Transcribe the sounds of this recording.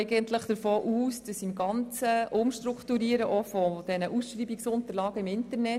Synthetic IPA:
ɪɡənt̪ləχd̥əɾfoːʔuːsd̥əsiɪmɡɑnt͡səʔʊmʃtɾukt̪uɾiːəɾəʔɔfɔd̥ɛnəʔusʃʋiːbiksʊnt̪əɾlɑːɡəɪmɪntəɾnɛt

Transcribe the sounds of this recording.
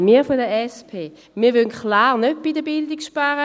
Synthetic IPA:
miːfodəɛspʰeː | miːɐʋønkχlaːʁnøt̚b̥idəbɪldikʃpaʁə

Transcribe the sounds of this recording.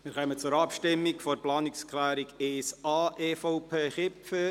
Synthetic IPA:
mɪːɾχœmət͡sʊɾɑpʃtɪmːikfɔrplɑːnɪkskχlæːɾiɡeːsɑːʔeːfoʊpʰeːχɪpfə

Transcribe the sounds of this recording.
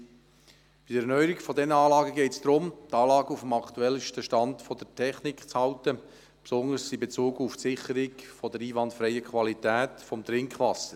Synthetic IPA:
b̥id̥əɛnœʏəɾikfɔdɛnəɑːlɑːɡəɡɛɪtsd̥̪ɾʊmtɑːlɑːɡəufəmɑkt̪uɛlʃtəʃtɑndfɔd̥əɾtʰɛχnikχt͡shɑʊtə | psʊndəsɪbet͡suːɡufsɪχəɾɪɡfɔdəɾiːvɑntfɾɛɪəkʰχvɑlitɛːtfɔmt̪ɾɪŋkχʋɑsəɾ

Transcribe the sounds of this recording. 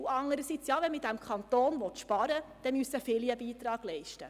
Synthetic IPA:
uɑŋəɾəsit͡sjɑːʋɛnmɪd̥æmkʰχɑnt̪oːnʋɔtʃpɑɾəd̥ɛmysəfɪliəbiːt̪ɾɑːɡ̥lɛɪʃtə

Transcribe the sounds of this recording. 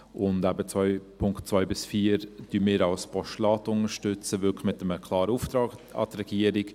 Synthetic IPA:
ʔʊndæbət͡svœɪpʰʊŋkt̚t͡sʋœɪbɪsfiːəɾd̥yːmɪːɾɑlspʰɔʃlɑːtʊnəʃtʏt͡səvʏlkχmɪtəməkʰlɑːɾəuft̪ɾɑːɡɑ̰t̪rɛɡ̥iəɾɪk

